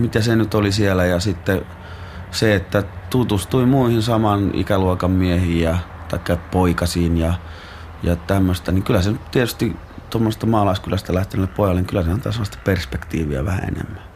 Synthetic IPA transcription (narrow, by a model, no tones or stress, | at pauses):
mit̪æsenyt̪olisielæjɑsit̪ːe | seet̪ːæt̪ut̪ust̪uimuihinsɑmɑnḭkæluokɑmːiehiːjɑt̪ɑikːɑpoikɑsiːnjɑ | jɑt̪æmːøst̪æniŋkylːˑæsenytt̪iet̪yst̪i | t̪omːosest̪ɑmɑːlɑˑiskylæst̪ælæht̪enælːeppoˑijɑlenŋikylːˑæsehænt̪ɑ̰ːˑseɑst̪æ̥perspekt̪iːʋḭæ̰ʋæ̰hæ̰ḛnḛmːæ